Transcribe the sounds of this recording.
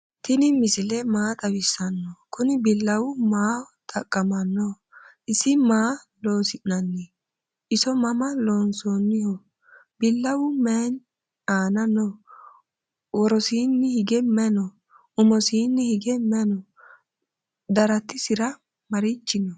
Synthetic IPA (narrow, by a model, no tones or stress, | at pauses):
t̪ɪnɪmɪsɪlɛmaːt̪ʼɐwɪsːɐnːɔkʰʊnɪbɪlːɐwʊmaː | t̪ʰʼɐkʼːɐmɐnːɔ | ʔɪsːɪmaː | loːsɪʔnɐnːɛ | ʔɪsɔmɐmɐloːnsoːnːɪhɔ | bɪlːɐwʊmɛn | aːnɐnːɔ | wɔɾɔsiːnːɪhɪɡɛmɛnɔ | ʊmɔsiːnːɪhɪɡɛmɛnɔ | d̪ɐɾɐt̪ːɪsɪɾɐ | mɐɾɪt͡ʃːɪnɔ